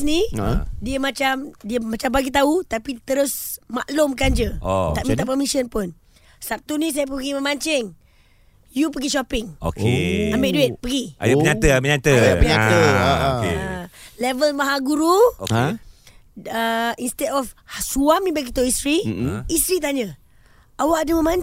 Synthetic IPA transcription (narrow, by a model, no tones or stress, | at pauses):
snidiəmat͡ʃamdiəmãt͡ʃambaɡit̪aut̪apit̪əɾʊsmaʔlʊmkand͡ʒəot̪aʔmit̪ap̬əmisiənpʊn | sap̚t̪unĩs̬ajəp̬əɡiməmaɲt͡ʃɪŋ | jupəɡiʃɔpɪŋo̰kḛambeʔduet̪̚pəɡia̰juəɲaəməɲat̪əpəɲatəkḛlɛvəlmaɦaɡuɾuo | əinst̪ɛdɔfsuamĩbaɡit̪uist̪ɾiist̪ɾit̪̬aɲə | ʔawaʔadəməmaɲ